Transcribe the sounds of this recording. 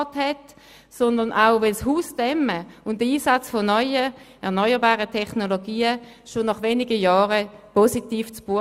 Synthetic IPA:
thɛt | sɔndənʔaʊvɛlshuːsd̥ɛməʊnt̚dəiːsat͡sfonɔʏə | ɛɐnɔʏəbaːʁətʰɛχnoloɡiːə | ʃonɑχʋeːnɪɡəjɑːʁəpositiːft͡sb̥uə

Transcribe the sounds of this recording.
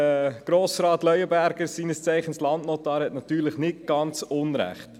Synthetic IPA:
əɡ̥ɾoːsɾɑːtlœʏəbæɾɡ̥əsiːnəst͡sæɪχənslɑndnotɑːɾhɛtnɑtyːɾləχnɪt̚ɡ̥ɑnt͡sʊnɾæ̰χt

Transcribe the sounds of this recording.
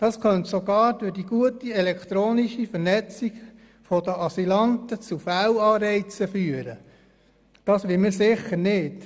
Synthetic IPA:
d̥ɑskʰœnt̪soɡɑːɾd̥ʊɾd̥iɡ̥uətiɛlɛkt̪ɾoːniʃifəɾnɛt͡siɡ | fod̥əʔɑsilɑnt̪ət͡sufæwɑːɾɛɪt͡səfyːəɾə | d̥ɑːsʋɪmɪɾsɪχəɾnɪːt

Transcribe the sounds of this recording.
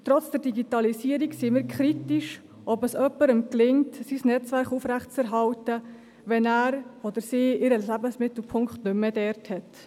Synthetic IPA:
tɾɔt͡sd̥ɛɾd̥iɡitɑlisiəɾiksimiːɾkʰɾitiʃ | ʔɔbəsœpːəɾəmklɪŋtsisnɛt͡sʋæɾχufɾæχtt͡sɛɾɦɑltə | ʋɛnæːɾɔd̪əɾsiːɪɾəlæbənsmɪt̪l̩pʰʊŋkχtnʏmːədɛɾthɛt

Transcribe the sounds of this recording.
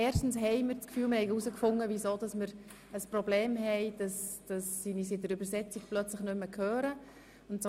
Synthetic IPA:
ɛːɾʃtn̩sɦɛɪməɾt͡skfyːlmɪɾhɛɪusəkfʊŋːəvisoːd̥ɑsməɾ | əsprobleːmɦɛɪd̥ɑsd̥ɑsːinisɪtdəɾybəɾsɛt͡sik̚plœt͡sləχnʏmːəkʰhøːɾə | ʊntt͡s

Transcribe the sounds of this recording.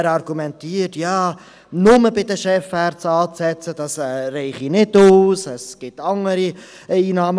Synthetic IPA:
ɾɑɾɡ̥umɛntiːətjɑː | nʊməbɪdəʃɛfɛɾt͡sɑːt͡sɛt͡səd̥ɑsɛːrɛɪχinɪduːsɛsɡ̥ɪtɑŋəɾi | iːnɑːm

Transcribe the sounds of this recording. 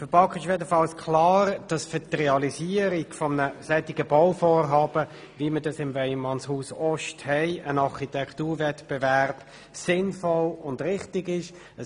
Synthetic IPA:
fəpɑkχɪʃjɛdəfɑlskʰlɑːɾd̥ɑsfətrɛɑliziːəɾiɡfɔmnəsɛtɪɡəbɔʊfoːɾɦɑːb̥ə | viːmədɑsɪmvɛɪmɑnshuːsɔʃthɛɪənɑʁχitʰɛktuːɾvɛtb̥evɛʁb̥ | sɪnfɔlʊndʁɪχtɪɡɪʃ | ə

